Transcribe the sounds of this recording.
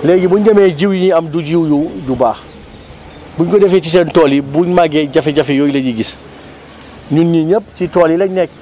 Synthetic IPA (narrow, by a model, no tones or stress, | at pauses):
lɛɡibuɲɟɐmɛɟiwjɲiɐmduɟiwjujubaːx | buɲkɔdɛfɛt͡ʃis̬ɛntɔːlibuɲmaɡɛɟɐfɛɟɐfɛjɔːjuleɟiɡis | ɲunɲiɲəp̚t͡ʃitɔːlilɐɲnɛk̚